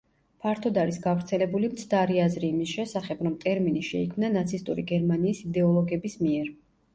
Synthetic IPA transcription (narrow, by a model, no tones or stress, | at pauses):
pʰaɾt̪ʰɔd̪aɾisɡavɾt̪sʰɛlɛbulimt̪sʰd̪aɾiazɾiːmisʃɛsaχɛbɾɔmt̪ʼɛɾminiʃɛikʰmnanat̪sʰist̪ʼṵɾḭɡɛɾmaniːsid̪ɛɔlˠɔɡɛbismiɛɾ